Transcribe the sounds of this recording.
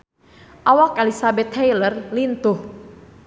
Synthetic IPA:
ʔawakɛlisabɛt̪hɛjlərlint̪uh

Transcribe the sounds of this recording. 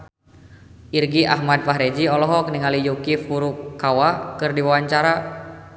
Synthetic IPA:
ʔirɡiʔa̰ɦmad̪̚faɦɾɛd͡ʒiɔlɔɦɔkniŋalijukifuɾukːawakɨrdiwawaɲt͡ʃaɾa

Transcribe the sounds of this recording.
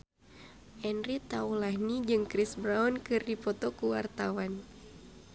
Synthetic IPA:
ʔɛnrit̪aulahnid͡ʒɨŋkɾisbɾaunkɨrdipɔt̪ɔkuwart̪awan

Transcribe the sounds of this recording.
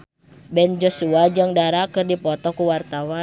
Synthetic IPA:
bɛnd͡ʒɔsuad͡ʒaŋdaɾakɨrdipɔt̪ɔkuwart̪awa

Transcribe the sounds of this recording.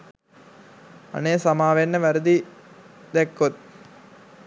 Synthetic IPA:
ɐ̰neːsɐmaːʋenːɐʋɐɾɯd̪i | d̪ekːot̪̚

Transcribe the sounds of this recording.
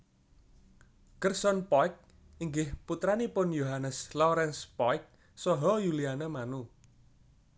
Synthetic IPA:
kərsɔnpɔk̚ | iŋɡɪhput̪ɾanipʊnjoɦanəslɔɾɛnspɔjk̚ | sɔɦɔjulianemanu

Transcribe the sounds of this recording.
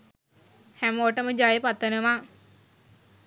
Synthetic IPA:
hæmoʈəməd͡ʒajəpat̪ʋənəʋaː

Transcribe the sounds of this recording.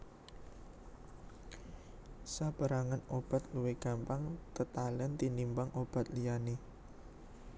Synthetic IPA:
sab̥a̤ɾaŋanob̥a̤t̪̚luweɡ̥a̤mpaŋt̪ət̪alɛnt̪inimbaŋʔob̥a̤t̪lijane

